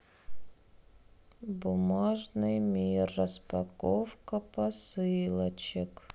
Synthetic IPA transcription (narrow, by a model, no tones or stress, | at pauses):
bʊmaʐnɨjmʲirːəspɐkofkəpɐsɨlˠət͡ɕɪk